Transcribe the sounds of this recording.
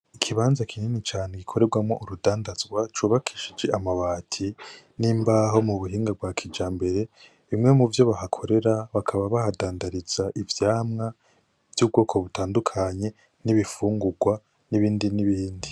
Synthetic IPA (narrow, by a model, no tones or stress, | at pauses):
ikʰiβaːnzakʰininit͡ʃaːne̞ɡikʰo̞ɾe̞ɾɡwamŋo̞̰ʔuɾudaːndazɡwat͡ʃuːβakʰi̥ʃid͡ʒe̞ʔamaβaːtʰi | nimbaɦo̞muβuɦiːŋɡab̚waːkʰid͡ʒaːmbe̞ɾe̞ | βimŋe̞muvjo̞βahakʰo̞ɾe̞ɾaβakʰaβaβahadaːndaɾiz̥aʔivjaːmŋa | v̥juːb̚ɡo̞ːkʰo̞βutaːndukʰaɲe̞ | niβifuːŋɡuɡwa | niβiːndiniβiːndi